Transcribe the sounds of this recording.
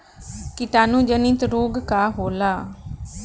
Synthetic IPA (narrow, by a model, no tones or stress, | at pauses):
kɪt̪aːnũːd͡ʒənĩt̪ɾoːɡkaːɦoːlaː